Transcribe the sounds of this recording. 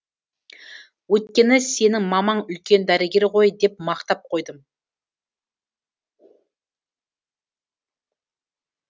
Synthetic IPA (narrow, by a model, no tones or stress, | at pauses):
wɵt̪kʲe̞nɪse̞nɪŋmɑmɑɴʏlkʲe̞nd̪æɾeɡʲe̞ɾqo̞jd̪e̞p̚mɑqt̪ɑp̚qʰojd̪əm